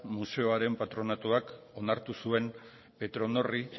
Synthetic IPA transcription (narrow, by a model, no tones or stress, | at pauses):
muse̞o̞aɾe̞mpat̪ɾo̞nat̪uak | o̞naɾt̪usue̞m | pe̞t̪ɾo̞no̞ri